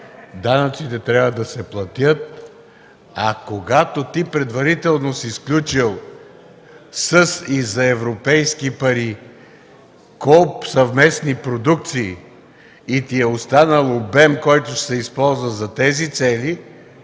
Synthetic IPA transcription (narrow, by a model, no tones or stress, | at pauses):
d̪anɐt̪sit̪ɛt̪ɾʲavvəd̪ɐsɛplˠɐt̪jət̪̚ | ɐkoɡat̪ot̪ipɾɛd̪vɐɾit̪ɛlˠnosisklʲut͡ʃilˠ | səsizɐɛvɾopɛjskipɐɾi | kɔpsɐvmɛsnipɾod̪uk̚t̪siː | t̪iɛost̪anəlˠobɛmkɔjt̪ʊʃsɛispɔlˠzvəzɐt̪ɛzit̪sɛli